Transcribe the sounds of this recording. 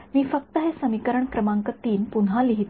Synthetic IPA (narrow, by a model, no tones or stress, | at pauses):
miːfək̚t̪əɦesəmikəɾəɳkɾəmãŋkət̪iːnpunɦaliɦit̪